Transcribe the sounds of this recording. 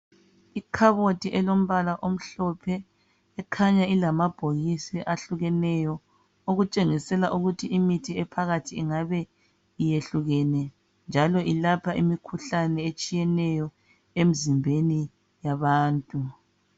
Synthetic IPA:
ikʰaβotʼiʔɛlom̩βalaʔom̩ɬɔpʰɛː | kʰaɲailamab̥ʱoɣisiʔaɬuɣɛnɛjɔ | oɣut͡ʃʼeŋisɛlaʔuɣutʰiimitʰiɛpʰaɣatʰiːŋaβɛ | ijeɬuɣɛnɛ | nd͡ʒʱalɔʔilapʰaʔimikʰuɬanɛet͡ʃʼijɛnɛjɔ | em̩zimbʱeni | jaβaːntʼu

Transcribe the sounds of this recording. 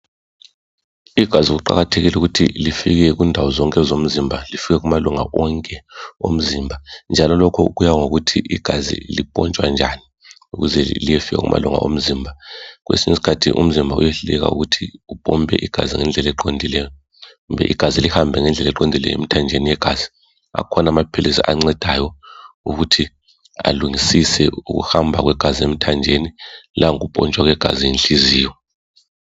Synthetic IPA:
iɡ̥ʱaziuɣ̬uǃa̰ɣatʰeɣilɛuɣutʰḭlifiɣɛɣindʱawɔzɔŋkʼɛzom̩zimbʱalifiɣɛɣ̬umaluŋa̰wɔŋkʼɛom̩zimbʱand͡ʒʱalɔlɔkʰɔuɣujaŋoɣutʰiʔiɡ̥ʱazḭlipʼɔ̰nt͡ʃʼwand͡ʒʱani | uɣuzɛlijɛfiɣa̰ɣṵmʔa̰luŋa̰ʔo̰m̩ziːmbʱaɣwʔḛsiɲisi̥kʰatʰḭʔṵm̩zimbʱaṵjɛɬulɛɣa̰uɣutʰiupʼɔmbʱɛ̰ʔiɡ̥ʱa̰ziŋɛnd͡ɮʱɛlɛǃondʱilɛjɔ | umbɛ̰ʔiɡ̥ʱazilihambʱɛŋɛnd͡ɮʱɛlɛǃondʱilɛ̰jḛmitʰand͡ʒʱenijɛɡ̥ʱaz̥i̥ | a̰kʰɔnamapʰelisa̰ʔaŋ͡ǀɛd̥ʱajɔuɣutʰi | a̰luŋisisɛuɣṵhambʱaɣwɛɡ̥ʱaziem̩itʰand͡ʒʱenilʔaŋuɣupʼɔnt͡ʃʼwaɣwɛɡ̥ʱa̰zienɬiziːwɔ

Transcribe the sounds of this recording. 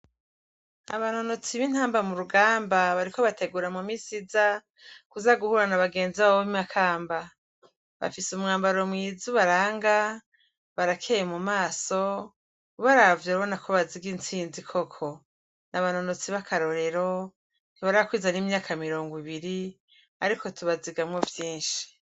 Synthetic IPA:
a̰βano̞no̞t͡siβin̥haːmbamuɾuɡaːmbaβaɾiko̞βatʰe̞ɡuɾamumisiza | kuzaɡuhuɾanaβaɡe̞ːnziβaimakʰaːmba | βa̰fisumŋaːmbaɾo̞mŋiːzuβaɾaːŋɡa | βaɾakʰejemumaːso̞ | βaɾavjoɾaβo̞nakʰoβaziɡint͡siːnzikʰo̞kʰo̞ | naβano̞not͡siβakʰaɾo̞ɾe̞ɾo̞ | n̥iβaɾaβakwiːzaniːmɲaːkʰamiɾo̞ːŋɡwiβiɾi | aɾiko̞tʰuβaziɡamŋo̞vjiːnʃi̥

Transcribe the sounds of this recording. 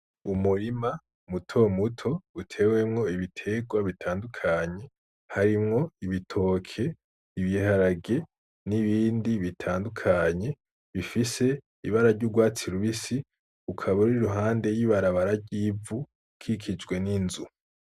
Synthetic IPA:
umuɾima | mutʰo̞mutʰo̞utʰe̞ːwe̞mŋo̞iβitʰe̞ɡwaβitʰaːndukʰaɲe̞ | haɾimŋo̞iβitʰo̞ːkʰe̞ | iβjihaɾaɡe̞ | niβiːndiβitʰaːndukʰaɲe̞ | βifise̞ | iβaɾaɾɟuɡwaːt͡siɾuβisi | kukʰaβaɾiɾuɦaːnde̞jiβaɾaβaɾaɾɟiːvu | kʰikʰid͡ʒɡwe̞ninzu

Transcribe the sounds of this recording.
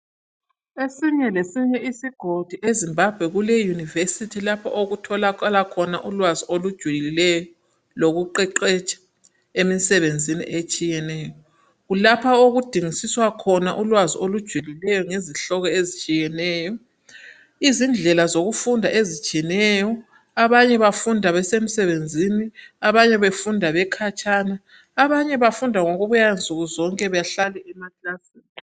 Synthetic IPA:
esiɲɛlesiɲɛisiɡ̥ʱod̥ʱuʔezimbʱab̥ʱwɛɣulejunivesitʰilapʰa̰ʔoɣutʰɔlakalakʰɔnaʔulwaziolud̥ʒ̥ʱwuliilɛjɔ | loɣuǃɛǃɛt͡ʃʼɛ̥ | emisɛβend͡zʱinḭʔet͡ʃʼijɛnɛːjɔ | ɣulapʰaoɣud̥ʱiŋisiswakʰɔnaʔulwaziolud̥ʒ̥ʱulilɛjɔŋeziɬɔɣɔezit͡ʃʼijɛnɛːjɔ | izind͡ɮʱɛlazoɣufundʱaʔezit͡ʃʼiɛnɛjɔ | aβaɲɛβafundʱaβɛsem̩sɛβend͡zʱiniaβaɲɛβefundʱaβɛkʰat͡ʃʼanaː | βaɲɛβafundʱaŋoɣuβujand͡zʱuɣuzɔŋkʼɛβajaɬalɛʔɛmakʼasiː

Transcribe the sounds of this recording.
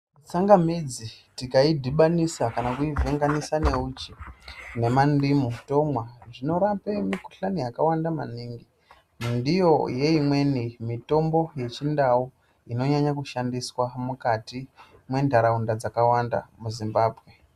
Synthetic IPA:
t͡saŋɡamid͡zitikaidʱiɓanisakanakuiveŋɡanisane̞ut͡ʃine̞mandimuto̞mwaʐino̞ɾapemikuɬanijakawandama̰niːŋɡi | ndijo̞je̞imwe̞nimito̞mbo̞jet͡ʃindawu | ino̞ɲaɲakuʃandiswamukati | mwe̞ndʱaɾaundad͡zakawanda̰muzimbaːbʱɣe

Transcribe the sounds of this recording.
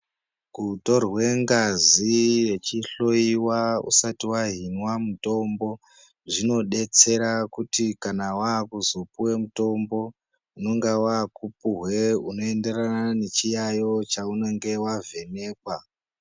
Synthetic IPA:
kuto̞rwe̞ŋɡazije̞t͡ʃiɬo̞iwaṵsatiwaɦinwamuto̞mbo̞ | ʐino̞ɗe̞t͡se̞ɾakutikanawakuzopuwe̞muto̞mbo̞ | uno̞ŋɡawakupuɦwe̞uno̞ende̞ranane̞t͡ʃijajo̞t͡ʃauno̞ŋɡe̞wave̞ne̞ːkwa

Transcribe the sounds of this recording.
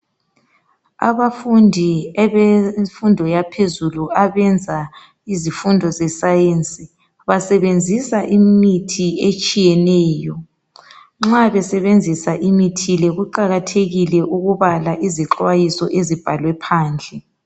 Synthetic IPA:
a̰βafundʱiɛβɛfundʱɔjapʰezuluaβɛnd͡zʱa | izifundʱɔzɛsajent͡sʼi | βasɛβend͡zʱisaʔimitʰiet͡ʃʼijɛnɛːjɔ | ŋ͡ǁaβɛsɛβend͡zʱisaʔimitʰilɛɣuǃaɣatʰeɣilɛʔuɣuβalaʔiziǁwajisɔʔezib̥ʱalwɛpʰaːnd͡ɮʱɛ

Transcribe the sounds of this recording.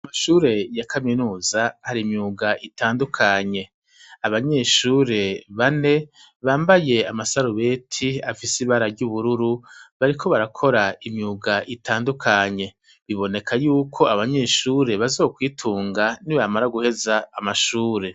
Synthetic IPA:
aamaʃuːɾe̞jakʰaminuːzahaɾimɲuɡaʔitʰaːndukʰaɲe̞ | aβaɲe̞ːʃuːɾe̞βane̞ | βaːmbaje̞amasaɾuβe̞tʰiafisiβaɾaɾɟuβuɾuɾuβaɾikʰo̞βaɾakʰo̞ɾaimjuɡaʔitaːndukʰaɲe̞ | βiβo̞ne̞kʰajuːkʰo̞aβaɲe̞ːʃuːɾe̞βazo̞ːkwiːtʰuːŋɡaniβamaɾaɡuhe̞zaːmaʃuːɾe̞

